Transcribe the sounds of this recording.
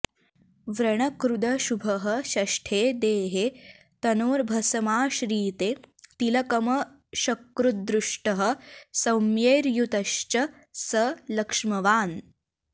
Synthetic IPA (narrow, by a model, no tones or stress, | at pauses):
ʋɾɐɳ̃ɐkɾud̪ɐɕubʱɐɦəɕɐʂʈʰeːd̪eːɦe | t̪ɐnoːɾbʱɐsɐmaːɕɾiːt̪et̪ilɐkɐmɐ | ɕɐkːɾud̪ɾuʂʈɐɦə̆sɐwmjeːɾjut̪ɐʃt͡ʃɐ | sɐlɐkʂmɐʋaːn